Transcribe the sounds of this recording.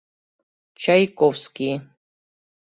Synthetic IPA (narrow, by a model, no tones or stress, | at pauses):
t͡ʃʰajkʼɔfski